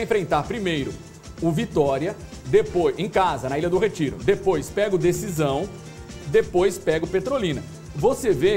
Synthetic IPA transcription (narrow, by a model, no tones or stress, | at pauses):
ẽfɾẽnt̪aɾpɾimejɾʊ | ʊvit̪ɔɾiɐ | d̪epoẽj̃kazɐnɐilɐd̪ʊɦet͡ʃiɾʊ̰d̪epojspɛɡʊd̪esizɐ̃w̃ | d̪epojspɛɡʊpet̪ɾolĩnɐ | voseve